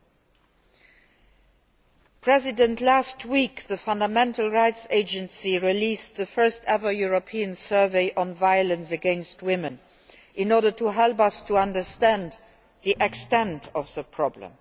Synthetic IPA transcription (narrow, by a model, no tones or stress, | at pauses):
pʰɹ̥ɛzɪdə̃ntʰlastwikðəfʌ̃ndəmɛ̃ntʰəl̩ˠɹaɪtseɪd͡ʒə̃nsiɹilistðəfɜ˞stɛvə˞juɹopʰiə̃nsɜ˞veɪʔɔ̃nvaɪələ̃nsəɡɛ̃nst̚wɪmə̃n | ʔɪ̃nɔɹɾə˞tʰuɦɛlpʌstʰəʌ̃ndə˞stæ̃nd | ðiʔɛkstɛ̃ntʰɔfðəpʰɹ̥ɑblə̰̃m